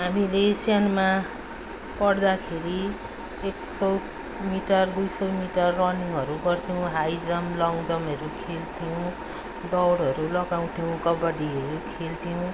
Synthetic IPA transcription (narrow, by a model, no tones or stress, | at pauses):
ɦamilesjanma | pʌɽd̪akʰeɾi | eksʌw | miʈʌrd̪ujsʌwmiʈʌrːʌniŋʌɾuɡʌrt̪ʰijõw̃ɦajd͡zʌmlʌŋɡd̪ʌmʌɾukʰelt̪ʰiõ | d̪ʌwɽɦʌɾulʌɡaw̃t̪ʰiõɡʌbʌɽiʌɾukʰelt̪ʰijõ